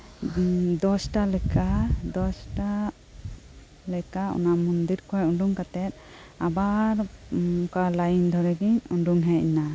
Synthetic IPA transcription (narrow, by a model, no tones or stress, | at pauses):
d̪ɔsʈalɛkʰad̪ɔsʈa | lɛkaɔ̰namund̪iɾkʰɔjuɳɖuŋkat̪ɛt̪̚ | abaɾkalajɲd̪ʱɔɾɛɡiɲuɳɖuŋɦɛina